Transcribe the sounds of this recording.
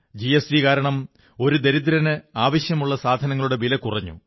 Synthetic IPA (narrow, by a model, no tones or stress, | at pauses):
d͡ʑiesikaːɾɐɳɐm | o̞ɾud̪eɾid̪̬ɾɐnɨaːʋɐɕjɐmuɭːɐsaːd̪ʱɐnɐŋːɐɭuɽebilɐkurɐɲːṵ